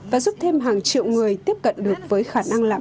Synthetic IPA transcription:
vaː˨˩zu˦˥p̚t̪ʰe˧mɦaː˨˩ŋt͡ɕḭ˧˨əwŋɨ˨˩əjt̪i˦˥əp̚kə̰˧˨nɗɨ˨˩ək̚vəː˨˦jxaː˧˩na˧ŋlaː˨˧˨

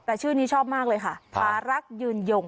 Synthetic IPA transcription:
t̪ɛː˨˩t͡ɕʰɯː˥˩niː˦˥t͡ɕʰɔː˥˩p̚maː˥˩k̚lɤː˧jkʰa˥˩pʰaː˧ɾa˦˥k̚jɯː˧˩njo˧˩ŋ

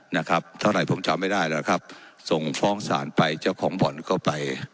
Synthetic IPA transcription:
na˦˥kʰɾa˦˥p̚t̪ʰa˥˩wɾa˧˩jpʰo˩˦mt͡ɕa˧mːa˥˩jdaː˥˩jlɛː˦˥kʰa˦˥p̚so˨˩ŋfɔː˥˩ŋsa̰ː˩˦npa˧jt͡ɕa˥˩wkʰɔː˩˦ŋbɔ˨˩˦nkɔː˥˩pa˧j

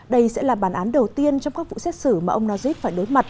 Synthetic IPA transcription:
ɗə˧jsɛ̰˧˥laː˨˩ɓaː˧˩nʔaː˨˦nɗə˨˩wt̪i˧ənt͡ɕɔ˧wŋ͡mkaː˦˥k̚vṵ˧˨sɛ˦˥t̚sɨ˧˩maː˨˩ʔə˧wŋ͡mnɔ˨˧zi˦˥p̚faː˧˩jɗo˨˦jma˨˩t̚

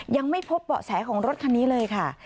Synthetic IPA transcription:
ja˧ŋma˥˩jpʰo˦˥p̚ːɔ̰˨˩sɛː˩˦kʰɔː˩˦ŋɾo˦˥t̪̚kʰa˧nːiː˦˥lɤː˧jkʰa˥˩

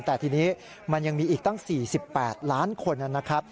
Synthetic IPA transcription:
nt̪ɛː˨˩t̪ʰiː˧niː˦˥ | ma˧nja˧ŋmiː˧ʔiː˨˩k̚t̪a˥˩ŋsiː˨˩si˨˩pːɛː˨˩t̪̚laː˦˥nkʰo˧nʔa˧na˦˥kʰɾa˦˥p̚

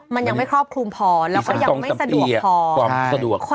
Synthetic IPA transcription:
ma˧nja˧ŋma˥˩jkʰɾɔː˥˩p̚kʰlu˧mpʰɔː˧lɛː˦˥kɔː˥˩ja˧o˧ŋma˥a˧˩sa˧du˨iːə˧˨˩pʰɔː˧wːmsa˧du˨˩əkʰːo˥˩

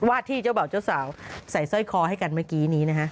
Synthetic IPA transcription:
waː˥˩t̪ʰiː˥˩t͡ɕaː˥˩wba˨˩wt͡ɕa˥˩wsaː˩˦wsa˨˩˦jsɔ˥˩jkʰɔː˧ha˥˩jka˧nmaː˥˩kiː˦˥niː˦˥na˦˥kʰa˦˥ʔ

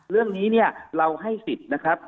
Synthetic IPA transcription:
ɾɯ˥˩əŋniː˦˥ni˥˩ɐɾa˧wɦa˥˩jsi˨˩t̪̚na˦˥kʰa˦˥p̚

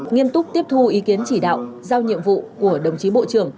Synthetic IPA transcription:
ŋi˧əmnt̪ʊ˦˥k͡p̚t̪i˦˥əp̚t̪ʰu˧ʔi˨˦ki˨˦ənt͡ɕi˧˩ɗa̰ː˧˨wzaː˧wɲḭ˧˨əmvṵ˧˨ku˧˩əɗə˨˩wŋ͡mt͡ɕi˨˦ɓo̰˧˨t͡ɕɨ˧˩əŋ

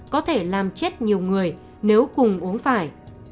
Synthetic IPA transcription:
kɔ˨˦t̪ʰe˧˩laː˨˩mt͡ɕe˦˥t̚ɲi˨˩əwŋɨ˨˩əj | ne˨˦wkʊ˨˩ŋ͡mʔu˨˦ənfaː˧˩j

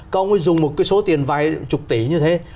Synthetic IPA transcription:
kɔ˨˧˥wŋ͡mmə˨˦jzʊ˨˩ŋ͡mmo˨˩t̚kaː˨˦jso˨˦t̪i˨˩ənvaː˧˨˩jt͡ɕʊ˨˩k͡p̚t̪i˧˩ɲɨ˧t̪ʰe˨˦

